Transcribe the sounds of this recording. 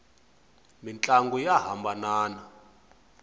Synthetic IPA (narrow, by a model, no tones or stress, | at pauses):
mint͡ɬʼaŋɡujaɦambanaːna